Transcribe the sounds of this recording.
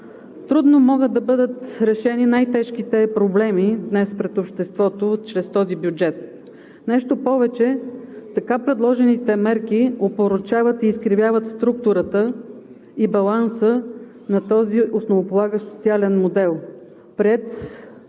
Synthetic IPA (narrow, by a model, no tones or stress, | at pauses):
t̪ɾud̪nomɔɡəd̪ːɐbɤd̪ət̪ɾɛʃɛninajt̪ɛʃk̟it̪ɛpɾoblɛmid̪nɛspɾɛt̪opʃt̪ɛst̪vɔt̪ot͡ʃɾɛst̪ɔzibjud͡ʒɛt̪̚ | nɛʃt̪opɔvɛt͡ʃɛt̪ɐkapɾɛd̪lˠɔʒɛnit̪ɛmɛɾk̟iopoɾot͡ʃavət̪iːskɾivʲjavət̪st̪ɾuk̚t̪ʊɾət̪ə | ibɐlˠansə | nɐt̪ɔziʔosnovopolˠaɡəʃso̥t̪sialɛnmod̪ɛlˠ | pɾɛt̪